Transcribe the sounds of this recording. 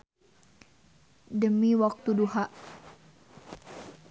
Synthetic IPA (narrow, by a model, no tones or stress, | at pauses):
dəmiwak̚t̪uduhaʔ